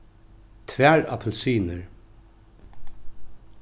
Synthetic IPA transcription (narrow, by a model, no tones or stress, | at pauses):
t̪ʰʋæːɹɑ̰pʰl̩syːnəɹ